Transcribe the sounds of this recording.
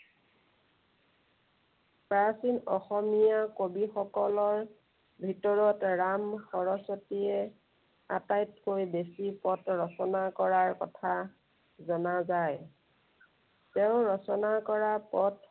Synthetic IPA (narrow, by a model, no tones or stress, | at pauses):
pɹasinɔxɔmijakobixɔkɔlɔɹ | bʱitɔɹɔtɹamxɔɹɔsɔtiɛ | a̰tajtkojbesipɔtɹɔsɔnakɔɹaɹkɔtʰa | zɔnazaj | teʊ̃ɹɔsɔnakɔɹapɔt